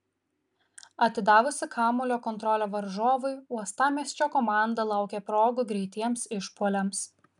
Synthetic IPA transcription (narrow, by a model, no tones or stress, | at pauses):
ɐt̪ʲɪd̪ɑːʋʊsʲɪkʰɑːmʊlʲoːkɔnt̪ɾɔlʲoːʋɐɾʒoːʋʊɪuɔst̪ɑːmʲiɛsʲt͡ʃʲoːkɔmɑˑnd̪ɐlˠɐˑʊkʲepɾoːɡʊɡɾʲɛɪt̪ʲiɛmsɪʃpuɔlʲɛms